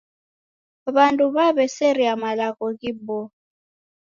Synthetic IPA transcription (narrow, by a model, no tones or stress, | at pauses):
βantʼuβaβɛseɾiamalakʼɔk̬ʼibɔ